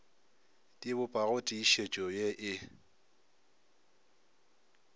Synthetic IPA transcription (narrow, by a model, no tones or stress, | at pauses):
tʼibʊpʼaɣʊtʼiiʃet͡ʃʼɔjeʔɪ